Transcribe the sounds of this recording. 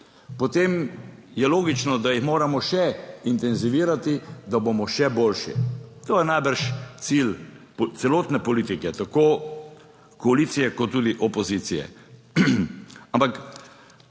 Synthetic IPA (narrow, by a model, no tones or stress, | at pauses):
pɔt̪eːm | jɛloːɡit͡ʃnɔd̪ajixmoːɾamɔʃɛint̪ɛnziʋiːɾat̪id̪abomɔʃɛboːlʃḭt̪oːjɛnajbəɾʃt̪sil | t̪sɛloːt̪nɛpɔliːt̪ikɛt̪akoː | kɔaliːt̪sijɛkɔt̪ːuːd̪iʔɔpɔziːt̪sijɛ̰ | ampak